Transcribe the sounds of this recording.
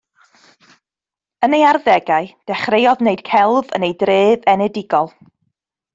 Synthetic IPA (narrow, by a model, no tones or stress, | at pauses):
ənejarðɛɡaɨd̥ɛχrejɔðneɨd̥kʰɛlˠvə̰nejdreːðɛnɛdɪɡɔlˠ